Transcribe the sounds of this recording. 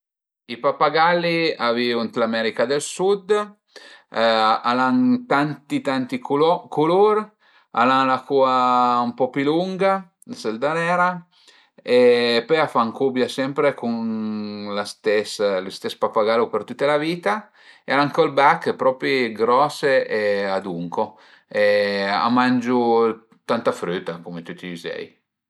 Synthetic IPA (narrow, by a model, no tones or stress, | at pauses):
ipapaɡalːiaviunt̪lamɛɾikad̪elsud̪ | alaŋt̪ant̪it̪ant̪ikʰuloɾ | a̰laŋlakuaumpɔpiluŋɡa | dseld̪anɛːɾa | epɔjafaŋkubjasɛmpɾekun | last̪ɛslust̪ɛspapaɡalupert̪ut̪ːalaviːt̪a | ealaŋkɔlbakːpɾɔːpɾiɡɾɔseʔead̪uŋko | ɛa̰mand͡ʒu | t̪ant̪afɾyt̪ːakumet̪ut̪ːizɛ̰j